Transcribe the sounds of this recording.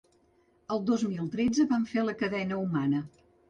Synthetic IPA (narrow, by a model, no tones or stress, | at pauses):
əlˠd̪ozmilˠt̪ɾed͡zəβaɱfeləkəðɛnəumanə